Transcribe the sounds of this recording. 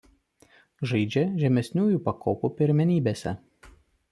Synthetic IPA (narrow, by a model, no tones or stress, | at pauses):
ʒɐɪd͡ʒʲɛʒʲɛmʲɛsʲnʲuːjuˑpɐkʰoːpupʲɪɾʲmʲɛnʲiːbʲesʲɛ̰